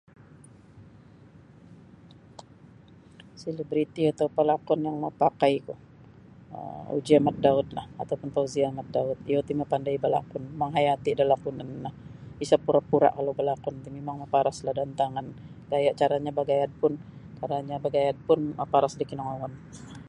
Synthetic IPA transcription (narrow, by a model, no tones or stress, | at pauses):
silibɾit̪iat̪aupalakɔnjaŋmapakajkɔh | ə̰ṵd͡ʒiamat̪̚daʊt̪̚la̰hat̪awpʊnt̪auziamat̪̚daʊt̪̚iot̪imapandajbəla̰kʊnmaŋɦajat̪iadalahpʊnanahisapuɾapuɾa̰ʔkalabəlakɔnt̪imemaŋmapaɾaslahdant̪aŋan | ɡajaʔt͡ʃaɾaɲabaɡajad̪̚pʊnt͡ʃaɾaɲabaɡajad̪̚pʊnməpaɾasdikinɔŋawan